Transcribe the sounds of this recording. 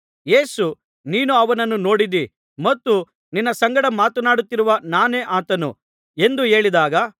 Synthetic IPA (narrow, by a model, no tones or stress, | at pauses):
je̞ːsu | niːnuɐʋɐnɐnːuno̞ːɽid̪i | mɐt̪ːu | ninːɐsɐŋɡɐɽɐmaːt̪ɐnaːɽut̪ːiɾuʋɐnaːne̞ːʔaːt̪ɐnṵ | e̞nd̪uɦe̞ːɭid̪aːɡɐ